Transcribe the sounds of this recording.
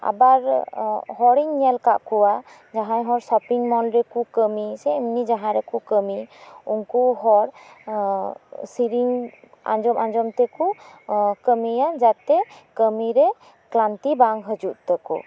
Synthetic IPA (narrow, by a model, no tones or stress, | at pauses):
a̰baɾhɔɾiŋɲɛlkaʔkɔwa | d͡ʒaɦajɦɔɾsɔpiŋmɔlɾɛkukəmisɛəmnid͡ʒaɦãɾɛkukəmiuŋkuɦɔɾ | siɾiŋ | a̰nd͡ʒɔmand͡ʒɔmt̪ɛku | kəmijad͡ʒat̪ɛkəmiɾɛ | klant̪ibaŋɦəd͡ʒuʔ̪t̪əkɔ̰